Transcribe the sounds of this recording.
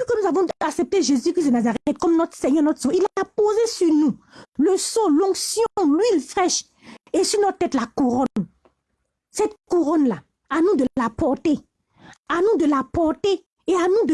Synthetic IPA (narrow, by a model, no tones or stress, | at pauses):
ikənuzavɔ̃aksɛp̚t̪eʒezykʁis̬d̪ənazaʁɛɛt̪̚kɔmnɔt̪χsɛɲœʁnɔt̪soilpozesyʁnũləsolɔ̃ɡsjɔ̃lɥilfʁɛʃ | esyʁnɔt̪t̪ːɛt̪lakuʁɔn | sɛt̪̚kuʁɔnla | anũd̪əlapɔʁt̪e | anũd̪əlapɔʁt̪e | eanũd̪ə